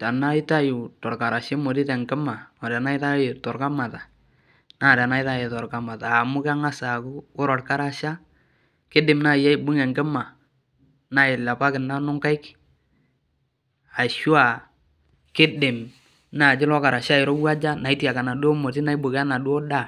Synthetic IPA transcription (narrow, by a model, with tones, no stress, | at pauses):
ta˨na˦ɪ˦ta˦ju˨tɔ˨ɾka˨ɾa˨ʃe˦mo˨ti˦tɛ˨ŋkɛ˦ma˨ɔ˨da˨na˦ɪ˦ta˦jɪ˨tɔ˨ɾka˦ma˨ta˨ | na˦˨da˨na˦ɪ˦ta˦je˨tɔ˨ɾka˦ma˨taː˨mʊ˦ka˦ŋa˦sa˨kʊ˦ʊ˦ɾɔ˨ɾka˦ɾa˦ʃa˦ | kɪ˦dɪ˨mna˦˨ja˦ɪ˨bu˦ŋɛ˨ŋkɪ˦ma˨ | na˦jɪ˨la˨pa˦kɪ˨na˦nʊ˦ŋka˦ɪ˦k | a˨ʃu˦a˨ | kɪ˦dɪ˨m | na˦˨d͡ʒɪ˦lɔ˦ka˨ɾa˨ʃa˦ɪ˨ɾo˦wa˦d͡ʒa˦na˨ɪ˦ti˦a˨ka˨na˨du˦ɔ˦mo˨ti˦na˦i˦bu˨ka˦na˨du˦ɔ˦da˦˨